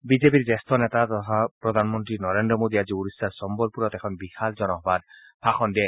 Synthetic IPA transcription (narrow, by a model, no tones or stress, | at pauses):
bizep̬iɹzɛst̪ʰɔnɛt̪at̪ɔt̪ʰapɹɔd̪ʱanmɔnt̪ɹinɔɾendɔmod̪iaziuɾisːaɹsɔmbɔlpuɾɔt̪ɛkʰɔnbixʰalzɔnɔɦbad̪̚ | bʰʱaxɔndɛ